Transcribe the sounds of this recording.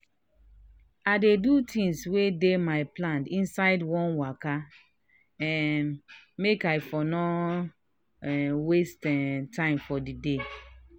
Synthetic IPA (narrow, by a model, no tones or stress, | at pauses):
adedutʰĩŋswedemaɪplãndĩnsaɪdwɔ̃nwaka | ɛ̃nnmekaɪfɔnɔ | westɛtʰãɪ̃mfɔdide